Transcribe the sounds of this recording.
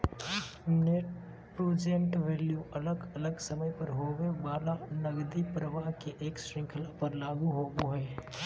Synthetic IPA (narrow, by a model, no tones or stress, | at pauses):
neʈ | pɾoːd͡ʒenʈʋɛːljuʔɐləɡɐləɡsɐməjpəɾɦoːɡebaːlanɐɡd̪ipɾəʋaːɦkeʔeːkʃɾɪ̃ŋkʰəlapɐɾlaːɡuɦoːɡuɦɛː